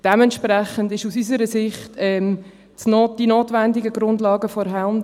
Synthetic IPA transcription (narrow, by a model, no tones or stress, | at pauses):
d̥ɛmɛntʃprɛχəndɪʃusysəɾəsɪχtɛːm | t͡snod̥inoːtʋɛndɪɡəɡrʊndlɑːɡəfɔɾɦɛln